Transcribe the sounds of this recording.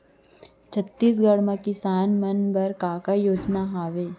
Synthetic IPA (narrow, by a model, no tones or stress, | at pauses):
t͡ʃʰət̪ːiːs̬ɡəɽmãkɪsaːnmɐnbɐɾkaːkajoːd͡ʒnaɦaːʋeː